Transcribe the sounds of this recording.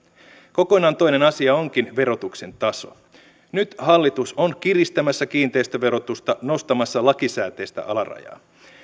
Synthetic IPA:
ko̞ko̞nɑːnt̪o̞jnenɑsiɑo̞ŋk̟inʋe̞ɾo̞t̪ukse̞nt̪ɑso̞̰ | nyt̪hɑlːit̪usonkirist̪æmæsːækiːnt̪e̞jst̪æʋe̞ɾo̞t̪ust̪ɑno̞st̪ɑmɑsːɑlɑkisæːt̪e̞ːst̪æ̰ʔɑlɑrɑ̰jɑ̰ː

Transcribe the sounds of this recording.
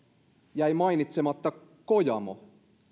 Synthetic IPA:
jæjmɑinit̪semɑt̪ːɑ | kojɑ̰mo̰

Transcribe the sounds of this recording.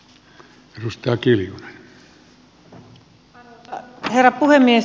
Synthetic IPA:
erust̪ɑːkiljune̥n | herːɑpuhemːies

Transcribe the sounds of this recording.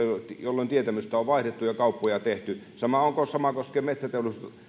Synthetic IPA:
t̪jolːont̪iet̪æmyst̪æoʋʋɑˑihdet̪ːujɑkɑˑupːojɑt̪eht̪y | sɑmɑoŋkosɑmɑkoskeːmet̪sæt̪eulust̪ɑ

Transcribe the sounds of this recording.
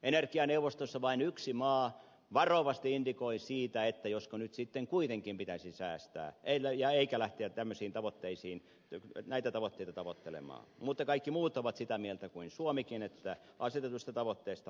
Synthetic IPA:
enerkiɑneuʋˑost̪osːɑʋɑinyksimɑː | ʋɑroʋɑst̪iindikoisiːt̪æet̪ːæjoskonyt̪sit̪ːeŋkuit̪eŋkimpit̪æsisæːst̪æ̰ːʔeijɑeikælæht̪eætt̪æmːøsiːnt̪ɑʋot̪ːeisiːn | næit̪æt̪ɑʋot̪ːeit̪ɑt̪ɑʋot̪ːelḛmɑ̰ːmut̪ːɑkɑikːimuːt̪oʋɑt̪sit̪æmielt̪ækuinsuomikinet̪ːæ | ɑset̪et̪uist̪ɑt̪ɑʋot̪ːeːst̪ɑ

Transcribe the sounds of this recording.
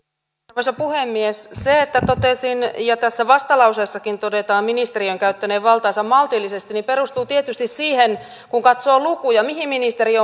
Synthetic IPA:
osepuhemːiesseet̪ːæt̪ot̪esinjɑt̪æsːæʋɑst̪ɑlɑusesːɑkint̪odet̪ɑːmminist̪eriøŋkæyt̪ːæneːʋʋɑlt̪ɑːsɑmmɑlt̪ilːisest̪inipeɾust̪uːt̪iet̪yst̪issiːhen | kuŋkɑt̪soːlukujɑmihimminist̪erio

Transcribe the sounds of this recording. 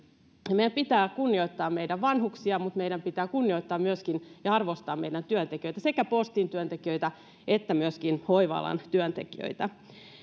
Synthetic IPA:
meijæmpit̪æːkunːioit̪ːɑːmeidæʋʋɑnhuksiɑmut̪meiɾæmpit̪æːkunːioit̪ːɑːmmyøskinjɑɑrʋost̪ɑːmeidænt̪yønt̪ekiøjt̪æsekæpost̪int̪yønt̪ekiøit̪æ | et̪ːæmyøskinhoiʋɑ̰lɑ̰nt̪yønt̪ekiø̰ijt̪æ

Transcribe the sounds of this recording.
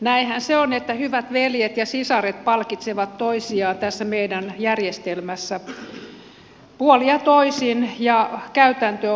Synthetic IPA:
næihænseonet̪ːæhyʋæt̪ʋeljet̪jɑsisɑret̪̚pɑlkit̪seʋɑt̪toisiɑːnt̪æsːæmeidænjærjest̪elmæsːæ | puoliɑt̪oisinjɑkæyt̪ænt̪ø

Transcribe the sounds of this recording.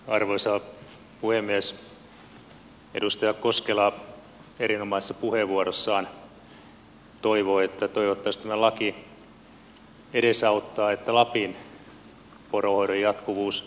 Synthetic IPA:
ɑrʋoisɑ | puhemːiæs | ḛdust̪ɑjɑkkoskelɑ | eɾinomɑˑise̥sːɑpuheʋuoɾosːɑːn | t̪oiʋoːet̪ːæt̪oiʋot̪ːɑist̪æmælɑki | eɾesɑut̪ːɑːet̪ːælɑpin | porohoiɾojjɑt̪kuʋuːs

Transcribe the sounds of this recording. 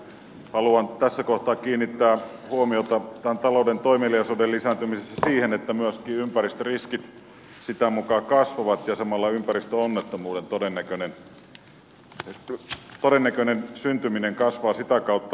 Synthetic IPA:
hɑluɑnt̪æsːækoht̪ɑːkiːnːit̪ːæːhuomiot̪ɑt̪ænt̪ɑloˑudent̪oimieliɑsodellisænt̪ymisesːæsiːhenet̪ːæmyøskiːympærist̪øriskit̪ | sit̪æmukɑːkɑsʋɑʋɑt̪jɑsɑmɑlːɑympærist̪øonːet̪ːomuːdent̪odenːækønen | t̪odenːækønensynt̪ymineŋkɑsʋɑːsit̪ækɑut̪ːɑ

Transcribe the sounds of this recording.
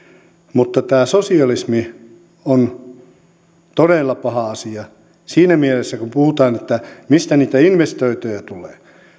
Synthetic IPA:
mut̪ːɑt̪æːsosiɑlismi | on | t̪odeˑlːɑpɑhɑɑsiɑ | siːnæmielesːækumpuhut̪ɑːnet̪ːæmist̪æniːt̪æinʋest̪oit̪øjɑt̪ulḛː

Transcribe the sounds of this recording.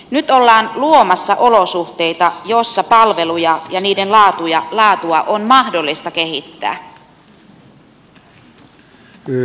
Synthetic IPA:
nyt̪o̞lːɑːnluo̞mɑsːɑʔo̞lo̞suxt̪e̞ijt̪ɑjo̞sːɑpɑlʋe̞lujɑjɑniːdenlɑːt̪ujɑlɑːt̪uɑʔonmɑhdo̞lːist̪ɑk̟e̞ɦit̪ːæ̰ː

